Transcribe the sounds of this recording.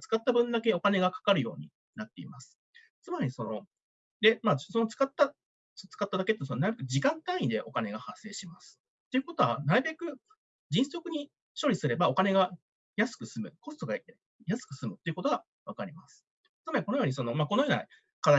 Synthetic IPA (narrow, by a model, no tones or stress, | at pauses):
t͡sɨ̥kat̪ːabɯ̟̃nd̪ake̞o̞kane̞ɡakḁkaɾɯ̟jo̞ːɲ̟ḭ | nat̪ːe̞ḭmasɨ̥ | t͡sɨmaɾʲiso̞no̞ | d̪e̞maːso̞no̞t͡sɨ̥kat̪ːa | st͡sɨ̥kat̪ːad̪ake̞t̪ːsonnaɾɯbekɯ̟d͡ʑikãnt̪ãĩd̪e̞ʔo̞kane̞ɡahasːe̞ːɕimasɨ̥ | t̪ːe̞iɯ̟ko̞t̪o̞βanaɾɯ̟be̞kɯ̟ | d͡ʑĩɰ̃so̞kɯ̟ɲ̟i | ɕo̞ːɾʲisɨɾe̞bao̞kane̞ɡa | jasɨ̥kɯ̟sɨmɯ̟ko̞st̪o̞ɡait̪e | jasɨ̥kɯ̟sɨmɯ̟t̪ːe̞iɯ̟ko̞t̪o̞ɡa | βakaɾʲimasɨ̥ | t͡sɨmaɾʲiko̞nojo̞ːɲ̟iso̞no̞maːko̞nojoːna̰ | kad̪